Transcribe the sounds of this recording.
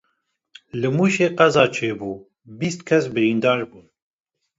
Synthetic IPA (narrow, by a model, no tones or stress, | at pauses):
lɨmuːʃeːqæzɑːt͡ʃʰeːbuː | biːst̪kʰɛsbɨɾiːnd̪ɑːɾbuːn